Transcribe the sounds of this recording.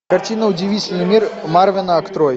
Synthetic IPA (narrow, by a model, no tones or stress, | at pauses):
kɐrtʲinəʊdʲɪvʲit͡sʲɪlʲnɨmʲirmarvʲɪnəɐkt̪ɾɔj